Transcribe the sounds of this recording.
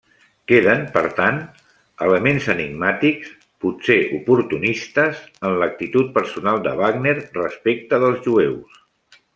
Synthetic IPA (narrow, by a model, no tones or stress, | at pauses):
keðənpəɾt̪an | ələmenzəniɡmat̪iks | puseʔupuɾt̪unist̪əzənlək̚t̪it̪ut̪̚pəɾsunalˠd̪ə̰βaɡneɾrəspek̚t̪əðəlˠzʒuews